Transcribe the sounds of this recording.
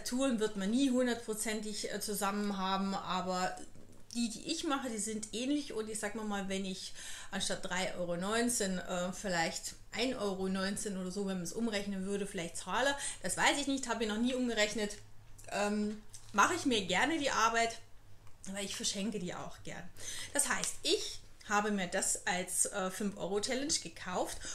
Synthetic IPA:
atʰuːʁənvɪɐtmanːiːɦʊndɐt̚pʁ̥ot͡sɛntɪçt͡suzamənɦaːbm̩ʔaːbɐ | d̥iːdḭːʔɪçmaχədiːzɪntʔɛːnlɪçʊntɪçz̥aːɡmamaːlvɛnɪçʔanʃtat̚d̥ʁaɪʔɔ̰ʏʁonɔʏnt͡senʔɛːfɪlaɪçt | ʔaɪnʔɔʏʁonɔʏnt͡seːnʔoːdɐzoːvɛnmansʔʊmʁɛçnənvʏɐɾəfɪlaɪçtt͡saːləd̥asv̥aɪsɪçnɪçthaːbəmiːɐnɔχniːʔʊmɡəʁɛçnətʔɛːmmaχəɪçmiːɐɡɛɐnədiːʔaɐbaɪtʔabɐlɪçfɛɐʃɛŋkədiːʔa̰ʊxɡ̥ɛ̰ɐnd̥ashaɪstʔɪçhaːbəmiːɐdasʔalsʔɛːfʏnfʔɔ̰ʏʁot͡ʃʰɛlɛnʃɡ̥əkʰaʊft

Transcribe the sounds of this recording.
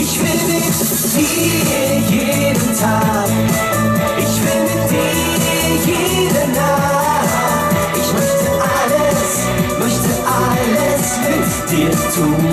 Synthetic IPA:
ʔɪçv̥ɪlmɪt | vi | jeː | dəntʰaːk | ʔɪçv̥ɪlmɪt̚d̥i | je | dəna | ʔɪçmœçtəʔaləs | mœçtəʔaləs | mɪt | d̥iːɐtʰuːn

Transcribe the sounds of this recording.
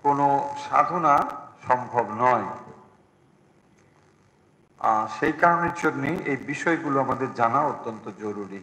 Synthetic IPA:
konoʃa̰d̪ʱonaʃɔmbʱobnɔe | aʃejkaɾoneɾt͡ɕoɡnejʔejbiʃɔeɡuloamad̪eɾd͡ʑanaot̪ːont̪od͡ʑoɾuɾi

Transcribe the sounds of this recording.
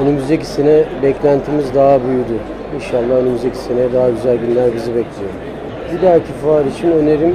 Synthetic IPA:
ønymyzd̪eci̥senɛbɛclʲænt̪ʰimizd̪aɦabyjyd̪y | inʃalˠːaønymyzd̪ecʰi̥senɛd̪aɦaɟyzælʲɟynlʲæɾɡɯzɯbɛclʲijo̰ɾ | ɟid̪ælʲcʰifaːɾit͡ʃʰinø̞ne̞ɾim

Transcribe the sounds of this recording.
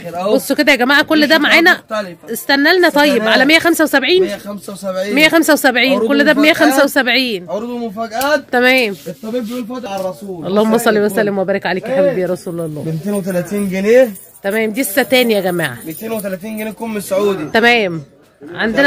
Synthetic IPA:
bosˤːoked̪æjɡæmaːʕakolːd̪æmaʕaːnæʔest̪ænːælnæt̪ˤɑjːebʕalæmejːæxæmsæwesæbʕiːn | ʕmejːæxæmsæwesæbʕiːnkolːd̪æbmejːæxæmsæwesæbʕiːnoɾd̪mofæɡ̪t̪æmæːmt̪ːˤ | uʔɑlˤːɑːhomːæsˤɑlːiwæsælːemwæbæːɾekʕaleːkʔæħabæbjæɾˤɑsuːlɑlˤːɑ̰ːment̪eːnwet̪ælæt̪iːnɡeneː | t̪æmæːmd̪isːæt̪æːnjæɡæma̰ːʕamet̪eːnwet̪ælæt̪iːnɡenekomːesʕuːd̪it̪æmæːm | ʕand̪en

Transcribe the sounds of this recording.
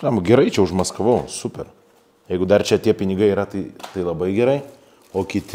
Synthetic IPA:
ɑmɡʲɛɾɐɪt͡ʃʲɛʊʃmɐskɐʋɐʊsʊpʲɛr | jɛɪɡʊd̪ɐrt͡ʃʲɛt̪ʲiɛpʲɪnʲɪɡɐɪiːɾɐt̪ɐɪt̪ɐɪlˠɐbɐɪɡʲɛɾɐɪ | oːkʲɪt̪ʲɪ

